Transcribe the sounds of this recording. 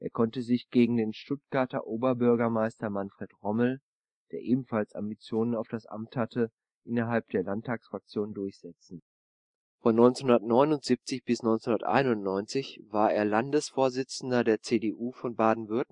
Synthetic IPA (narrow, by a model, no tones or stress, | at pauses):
ʔeːɐkʰɔntəzɪçɡ̥eːɡŋ̩deːnʃtʊt̚ɡ̥aɐtɐ̰ʔoːbɐbʏɐɡɐmaɪstɐmanfʁ̥eːtʁɔml̩ | d̥eːɐʔeːbm̩falsa̰mbit͡sjoːnənaʊfd̥asʔa̰mthatə | ʔɪnɐɦalp̚d̥eːɐlantʰːaːksfʁ̥ak̚t͡sjoːnndʊɐçz̥ɛt͡sn̩ | fɔnːɔʏnt͡senhʊndɐtnɔʏnʊntz̥ip̚t͡sɪçb̥ɪsnɔʏnt͡senhundɐtʔa̰ɪnʊntnɔʏnt͡sɪçvaːɐeːɐlandəsfoːɐzɪt͡sn̩dɐdeːɐt͡seːdeːʔuːfɔnbaːdn̩vʏɐtn̩